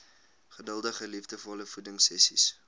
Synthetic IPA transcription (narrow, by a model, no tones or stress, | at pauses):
χədəlˠdəχəlifdəfɔləfudəŋsɛsḭs